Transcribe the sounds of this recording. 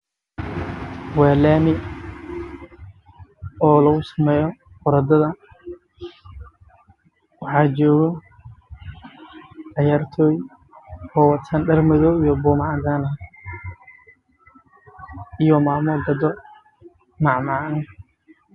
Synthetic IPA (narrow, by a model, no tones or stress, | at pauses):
waːlaːmɪ | ɔːlɐɣʊsɐmɛːjɔ | fʊɾɐd̪ɐðɐ | wɑħɑːt͡ʃɔːɣɔ | ʕɑjaːrt̪ʰɔːj | ɔːwɐt̪sɐnɖɐrmɪðɔːjɔbɔːmɑʕaɡ̪aːnɐ | ijɔmaːmɔɡɐd̪ɔ | nɑʕmaʕn